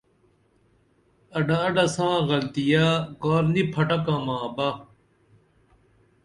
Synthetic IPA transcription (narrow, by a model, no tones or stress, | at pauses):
ɐɖaɐɖɐsãːɣɐlt̪ijaːkoːɾnipʰɐʈɐkãːmãːba